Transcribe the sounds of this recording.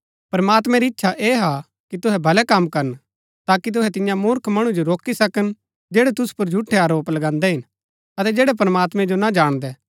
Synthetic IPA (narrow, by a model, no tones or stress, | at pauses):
pɐɾmaːt̪mɛ̃ɾiɪtːʃʰaʔeːɦa | kit̪ʊɦɛbʱɐlɛkɐmkɐɾən | t̪aːkit̪̬ʊɦɛt̪ɪjãmʊɾkʰmɐɽ̃ud͡ʒoɾoːkisɐkən | d͡ʒeːɽɛt̪ʊspʊɾd͡ʒʱʊʈʰːɛaːɾoːplɐɡãːnd̪ɛɦɪn | ɐt̪ɛd͡ʒɛːɽɛp̬ɾəmaːt̪mɛ̃d͡ʒonad͡ʒaːɽ̃d̪ɛː